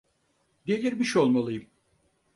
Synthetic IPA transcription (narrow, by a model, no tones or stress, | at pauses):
d̪elʲiɾbiʃo̞lˠmalˠɯjɯm